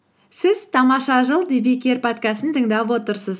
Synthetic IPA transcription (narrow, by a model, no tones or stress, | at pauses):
sɪzt̪ʰɑmɑʃɑʒəlˠd̪ibikʲerpʰat̪kasənt̪ʰəŋd̪ɑpwo̞t̪əɾsəz